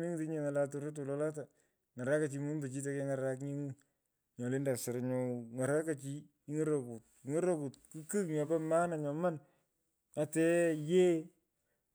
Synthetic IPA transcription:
mi˦ŋ˦ti˦ɲe˨ŋa˨la˨to˨ne˦t̬o˨lɔ˦la˦t̬a˨ | ŋa˨ɾa˦ka˨t͡ʃi˨mu˦mbe˨t͡ʃi˦t̬ɛ˨ke˦ŋa˨ɾa˦kɲi˦ŋu˦ | ɲɔ˨lɪ˦nda˨sɪ˨ɾɲɔ˨ŋa˨ɾa˦ka˨t͡ʃi˦ | i˦ŋo˦ɾo˨ku˨t̚ŋo˦ɾo˦ku˨t̚ku˦kɨ˦kɲɔ˨pɛ˦ma˦na˨ɲɔ˨ma˦n | a˨tɛ˦je˦

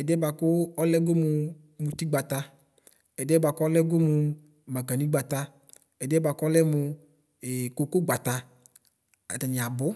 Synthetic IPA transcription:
ɛ˨dɛ˦ba˧kʊ˦ɔ˦lɛ˦ɡo˦mʊ˧ | mu˧ti˦ɡ͡ba˨ta˧ | ɛ˨dɛ˦ba˧kʊ˦ɔ˦lɛ˦ɡo˦mʊ˧ | ma˨ka˨nĩ˦ɡ͡ba˨ta˧ | ɛ˨dɛ˦ba˨˧kɔ˦lɛ˦mʊ˧ | ɛ˨ko˧ko˦ɡ͡ba˨ta˨ | a̰˨ta˨ni˨a˨bʊ˦

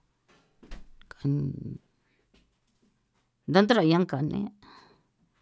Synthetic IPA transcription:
ka˨n | nd̪a˦nd̪a˦ɾa˨jã˦ŋka˨nḛ̃˦

